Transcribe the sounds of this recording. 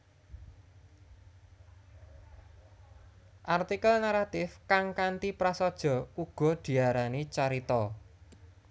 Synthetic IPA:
ʔart̪ikəlnaɾat̪ɪfkaŋkant̪ipɾasɔd̥ʒ̥ɔ̤uɡ̥ɔ̤d̪̥i̤aɾanit͡ʃaɾit̪ɔ

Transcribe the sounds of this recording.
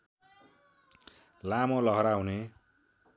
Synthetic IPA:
lamolʌɦʌɾaɦune

